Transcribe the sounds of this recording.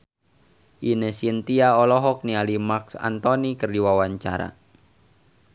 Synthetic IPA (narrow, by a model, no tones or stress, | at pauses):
ʔinəsiənt̪iaɔlɔɦɔk̚nialimaksa̰nt̪ɔnikərdiwawaɲt͡ʃa̰ɾa̰